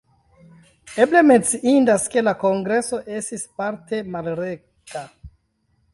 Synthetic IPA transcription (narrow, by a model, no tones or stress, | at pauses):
e̞ble̞me̞nt͡siʔindaske̞lako̞ŋɡɾe̞so̞ʔe̞stispaɾte̞malɾe̞ | ka